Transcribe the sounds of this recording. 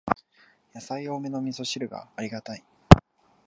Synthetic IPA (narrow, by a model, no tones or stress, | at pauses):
jasaio̞ːme̞no̞mʲiso̞ɕiɾɯ̟ɡa̰ːɾʲiɡat̪ai